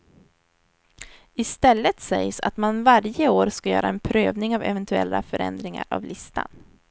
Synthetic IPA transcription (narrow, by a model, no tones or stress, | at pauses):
ɪst̪ɛlːət̪sɛjsa̰t̪manvaɾjəoːɾskajœ̰ːɾaɛnpʰɾøːvnɪŋavɛvɛnt̪ɵɛlːafœɾɛ̰nd̪ɾɪŋa̰ɾa̰vlʔɪst̪ʰa̰n